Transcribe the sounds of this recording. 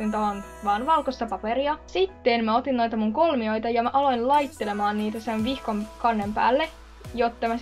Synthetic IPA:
int̪oon | ʋɑːnʋɑlkosːɑpɑpeɾiɑsit̪ːenmæo̞t̪inno̞jt̪ɑmuŋko̞lmio̞jt̪ɑjɑmæʔɑlo̞inlɑjt̪ːe̞le̞mɑːnniːt̪æsenʋihkomkɑnːempæ̰ːlːe | jot̪ːɑmæ

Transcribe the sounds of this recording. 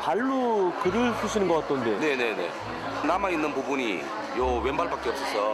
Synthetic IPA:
paɭːokɯɾɯɭsʰuɕ̬ʰinɯnŋɡʌk͈at͈̚onde̞ne̞ne̞ne̞̰ | namainːɯnpubuɲi | jowe̞nbaɭpak͈eʌp̚s͈ʌsʰʌ

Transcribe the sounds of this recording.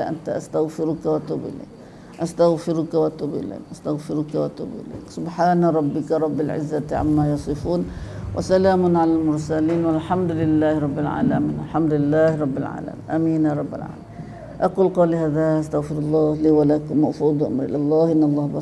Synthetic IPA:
aʔa̰nt̪aʔa̰st̪aɣfɪɾʊkawat̪ʊbɪ̰lḭk | ʔast̪aɣfɪɾʊkawat̪ʊbɪ̰la̰ʔast̪aɣfɪɾʊkawat̪ʊ̰bɪ̰la̰ksʊbħaːnaɾˤɑbːɪkaɾˤɑbːalʕɪ̰zːat̪ʕa̰mːajɑsˤɨfuːnwʔa̰salaːmʊnʕalalmʊɾˤsaliːnwalħamd̪lɪlːaːhɾˤɑbːɪlʕa̰ːlamiːnalħamd̪ʊlɪlːaːhɾˤɑbːɪlʕa̰ːla̰mḭːnʔamiːnjaɾˤɑbːɪlʕa̰ːlai | ʔɑquːlqɑlihaːðaʔast̪aɣfɪɾɑlˤːɑːhliːwalaːkmaʔfuːd̪ˤʔa̰mɾʔɪ̰lʔɑlˤːɑːhʔɪnːɑlˤːɑːhbɑ

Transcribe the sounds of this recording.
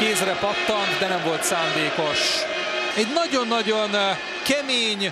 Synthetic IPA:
keːsrɛpɒt̪ːɒnt̪d̪ɛnɛɱvo̞lt̪saːnd̪eːko̞ʃ | ɛɟnɒɟo̞nːɒɟon | kɛmeːɲ

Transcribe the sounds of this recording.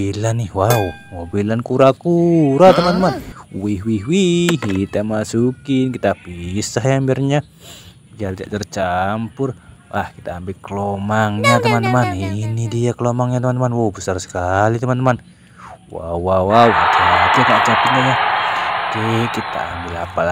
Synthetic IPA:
ilanihwau | mobilankuɾakuɾat̪əmant̪əmanwihwiɦwihit̪amasukɪnkit̪apisaɦjambirɲa | d͡ʒard͡ʒa̰ʔt͡ʃərt͡ʃampʊrwahkit̪aːmbɪlkəlomaŋɲat̪əmant̪əmaninidiakəlomaŋɲat̪əmant̪əmanwowbəsarsə̥kalit̪əmant̪əman | wa̰uwawwaut̪ad͡ʒakat͡ʃapitɲaja | kekit̪a̰ːmbɪla̰pala

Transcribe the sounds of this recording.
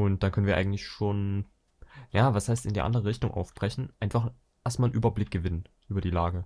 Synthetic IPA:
ʔʊnt̚d̥ankʰœnənviːɐʔaɪŋ̩tlɪçʃoːn | jaːvashaɪstɪ̰ndiːɐʔa̰ndəʁəʁɪçtʊŋʔa̰ʊfb̥ʁɛçn̩ʔaɪnfaχ | ʔeːɐstmaːlnʔyːbɐblɪk̚ɡ̥əvɪnənʔyːbɐdiːlaːɡə

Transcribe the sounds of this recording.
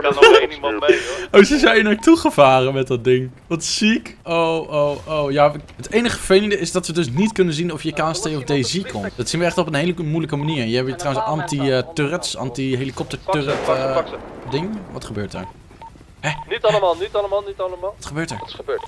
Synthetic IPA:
n | owzəzɛjinojtuχəvaːrənmɛt̚dɑt̚dɪŋʋɑtsikowʔowʔowjaətejnəχəfəvejləndəɪsdɑtʋədɵs̬nitkɵnənzinɔfjəkaːstejɔfdejzikʰɔmtdɑtsinʋəɛχtɔpənɦejləmujləkəmaniːɹjəɛbtrawənsɑntiətørətsɑ̰ntiɦejlikɔp̚təɹtørət | dɪŋʋɑtχəbøːɹtə̰ɹ | hɛnitɑləmaːlˠnitɑləmaːlˠnitɑləmaːlˠʋɑtχəbøːɹtɛɹəbøːt

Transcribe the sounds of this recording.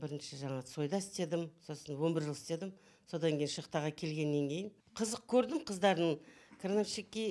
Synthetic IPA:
bɪɾɪnʃɪʒɑɴɑsʰo̞jd̪ɑɪst̪e̞d̪ɪmso̞sənwo̞nbɪɾʒəlˠɪst̪e̞d̪ɪm | so̞d̪ɑŋkʲʰe̞jɪnʃəqt̪ɑʁɑkʲʰe̞lɡʲe̞nːe̞ŋkʲʰe̞jɪn | qʰəzəq̚kʲʰɵɾd̪ɪmqʰəzd̪ɑɾd̪əɴkʰɾnafʃikʲːi

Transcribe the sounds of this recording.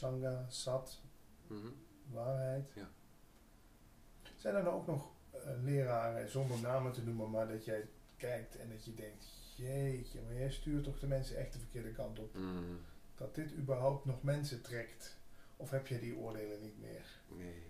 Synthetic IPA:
sɑŋɡasɑt | ʋaːɹɦɛjt | z̥ɛjndənɔowknɔχ | lɪːraːrəzɔndəɹnaːmətənumənmaːɹdɑtjɛj | kɛjk̚tʰɛ̰ndɑtjədɛŋk̚t | jejmajɛjstyːrtɔχdəmɛnsənʔɛxtdəvərkɪːɹdəkɑntɔp | d̥ɑt̚d̥ɪtybəɹɦawp̚tnɔχmɛnsətrɛkt | ɔfɦɛp̚tjɛjdiʔo̰ːɹdeːlənːitmɪ̰ːɹ

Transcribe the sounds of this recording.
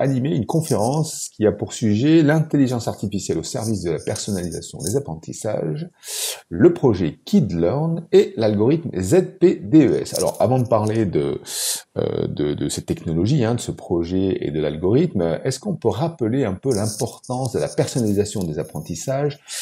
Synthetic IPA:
animeynkɔ̃feʁɑ̃skʲiapuʁsɥiʒelɛ̃t̪eliʒɑ̃saʁt̪ifisjɛlosɛʁvis̬d̪əlapɛʁsɔnaliza̰sjɔ̰̃d̪ezapχɑ̃t̪isa̰ʒ | ləpχɔʒɛkʲʰid̪lœʁnelalɡɔʁit̪mzɛd̪̚ped̪eøɛ̰sa̰lɔ̰ʁa̰vɑ̃d̪əpaʁled̪ə̰ | ø̰d̪ə̰d̪əsɛt̪ːɛknɔlɔʒiɛ̃d̪əsəpχɔʒɛḛd̪əla̰lɡɔʁit̪mɛskɔ̃pøʁapəleɛ̃pølɛ̃pɔʁt̪ɑ̃sd̪əlapɛʁsɔnalizasjɔ̃d̪ezapχɑ̃t̪isaʒ

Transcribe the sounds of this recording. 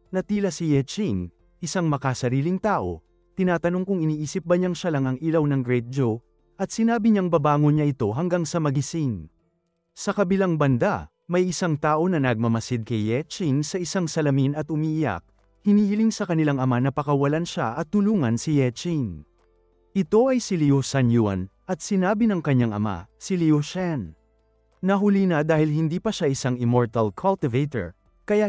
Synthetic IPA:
nɐt̪iːlɐsijɛt͡ʃin | ʔɪsaŋmɐkɐsɐɾiːlɪŋt̪aːʔo̞̰ | t̪ɪnaːt̪ɐno̞ŋkʊŋɪniːʔiːsɪp̚bɐɲaŋʃalɐŋɐŋilɐwnɐŋɡɹɛjt̪̚d͡ʒo | ʔɐt̪̚sɪnaːbɪɲaŋbɐbaːŋonɲɐʔɪt̪o̞ɦɐŋɡaŋsɐmɐɡɪsin | sɐkɐbɪlaŋbɐnd̪a | mɐjʔɪsaŋt̪aːʔo̞nɐnɐɡ̚mɐmɐsɪd̪̚kɐjːɛt͡ʃinsɐʔɪsaŋsɐlɐminɐt̪ʔʊmiːʔɪja̰k̚ | hɪniːhɪliŋsɐkɐnɪlaŋɐmanɐpɐkɐwɐlanʃaʔɐt̪ːʊluːŋɐnsɪjɛt͡ʃin | ʔɪt̪o̞ʔɐjsɪliosanjua̰nʔɐt̪sɪnaːbɪnɐŋkɐɲːaŋʔɐ̰ma̰sɪlioʃan | nɐɦʊlinɐd̪aːhɪlhɪnd̪iːpɐʃaʔɪsaŋɪmoɹt̪ɐlkʰɐlt̪ɪvet̪ɛ̰ɹ | kɐja

